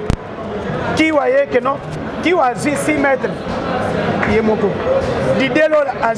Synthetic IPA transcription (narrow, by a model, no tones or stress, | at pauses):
kiwajekenɔ | kiwazwisimɛte | jemokodidelola